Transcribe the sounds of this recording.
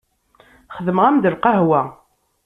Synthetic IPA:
χəðəməʁæmd̪əlqɑɦwæ

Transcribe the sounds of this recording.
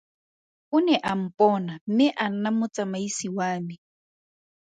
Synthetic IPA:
ʊnɛʔam̩pʼɔːnam̩mɪʔan̩namʊt͡sʼamaisiwaːmi

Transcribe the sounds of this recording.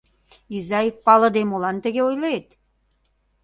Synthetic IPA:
izɑjpɑlɤ̆d̪emolɑnt̪ə̆ɣeojlet̪

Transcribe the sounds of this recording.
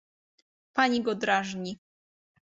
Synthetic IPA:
paɲiɡɔd̪ɾaʐɲi

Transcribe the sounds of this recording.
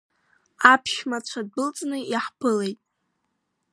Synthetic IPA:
apʰʃmat͡ɕʷʰad̚bɨlt͡sʼnɨiħpʰɨle̞jtʼ

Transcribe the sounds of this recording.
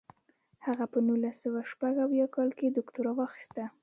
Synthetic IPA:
haɣapənulasːəwaʃpaɡawjɑkɑlked̪ʊkt̪ʊɾɑwɑxi̥st̪a

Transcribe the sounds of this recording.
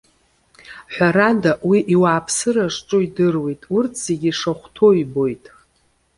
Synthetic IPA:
ħʷᶣaɾadawiʔiwaːpʰsɨɾaʂʈ͡ʂʼuidɨrwe̞jtʼurtʰz̥e̞ɡʲiʂaχʷtʰo̞ibo̞jtʼ

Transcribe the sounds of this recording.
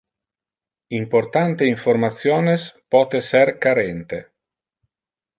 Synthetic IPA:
import̪ant̪eiɱfoɾmat̪sjɔːnespɔːt̪esɛɾkaɾɛnt̪e

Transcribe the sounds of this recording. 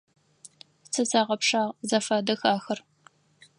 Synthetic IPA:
sʰɐzaːʁɐpʂaːʁzɐfaːdɐxaːxɐr

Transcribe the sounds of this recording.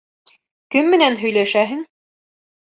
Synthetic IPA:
kɵmːɘ̆nænɦɵ̆jlæʃæɦɘŋ

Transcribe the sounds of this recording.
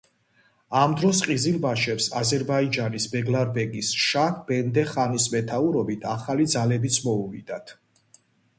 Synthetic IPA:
amd̪ɾɔsqʼizilbaʃɛpsazɛɾbaid͡ʒanisbɛɡlaɾbɛɡisʃakʰb̥ɛnd̪ɛχanismɛt̪ʰauɾɔbit̪ʰaχalid̪zalɛbit̪sʰmɔuvid̪at̪ʰ

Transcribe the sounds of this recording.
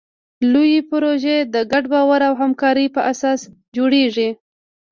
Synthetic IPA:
lujipɾoʒed̪əɡaɖbɑwaɾawɦamkɑɾəpəʔasɑs | d͡ʒoɽeʐi

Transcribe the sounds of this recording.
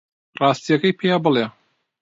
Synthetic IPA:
rɑːst̪ijɐkɐjpʰejaːbɨlˠe

